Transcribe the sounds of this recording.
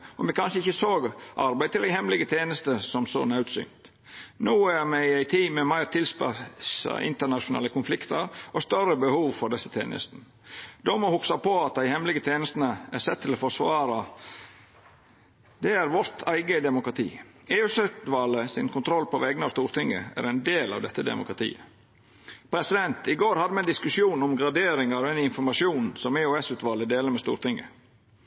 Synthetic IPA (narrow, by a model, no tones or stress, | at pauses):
ɔmʋɛkʰɑnʂəɪçəsoːɡʔɑɾbæɪt̪ɪld̪æɪhɛmlɪɡət̪ʰeːnəst̪əsɔmsɔ̰næʉːt̪sʏ̰ŋt̪ | nuːæɾmæɪæɪt̪ʰiːmɛmæɪɾt̪ʰɪlspɑ̰sɑ̰ʔɪ̰nt̪əɳɑʃʊnɑ̰ːləkʊnflɪkt̪əɾʔɔst̪œɾəbəhuːʋfɔɾɖ̪ɛsːət̪ʰḛːnə̰st̪n̩ | d̪ɔmɔhʊksɑpʰɔɑt̪̚d̪æɪhɛmlɪɡət̪ʰeːnəst̪nəæɾsɛt̪ʰːɪlɔfɔʂʋɑːɾɑ | d̪ɛæɾʋɔɾt̪ʰæɪɡəd̪ɛmʊkɾɑt̪ʰḭːeːʉːsʉt̪ʋɑlːəsɪnkʰʊnt̪ʰɾɔlːpɔʋɛɡnɑʋst̪uːɾt̪ɪŋːə̰æ̰ɾɛɪnd̪eːlɑ̰ʋd̪ɛt̪ːəd̪ɛ̰mʊ̰kɾɑt̪ʰḭːə | pʰɾɛsɪd̪ɛnt̪ɪɡoːɾhɑd̪ːəmɛnd̪ɪskʉʃjuːnɔmɡɾɑd̪eːɾɪŋəɾɔɛnɪnfɔɾmɑʃjuːnsɔmeːoːɛsʉːt̪ʋɑlːəd̪eːləɾmɛːst̪ṵːɾt̪ɪŋːə̰